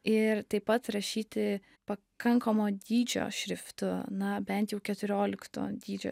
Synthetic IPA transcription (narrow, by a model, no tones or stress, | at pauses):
ɪɾt̪ɐɪpːɐt̪ɾɐʃʲiːt̪ʲɪ | pɐ | kɐŋkomoːd̪ʲiːd͡ʒʲo̰ːʃʲɾʲɪft̪ʊnɐbʲɛnt̪jɛʊkʲɛt̪ʊɾʲoːlʲɪkt̪o̰ːd̪ʲiːd͡ʒʲo̰ː